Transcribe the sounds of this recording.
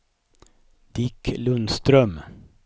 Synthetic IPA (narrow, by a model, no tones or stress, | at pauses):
d̪̥ɪkʰlʉnst̪ɾœm